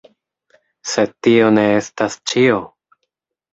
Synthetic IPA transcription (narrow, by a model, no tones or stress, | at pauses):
se̞tio̞ne̞estast͡ʃio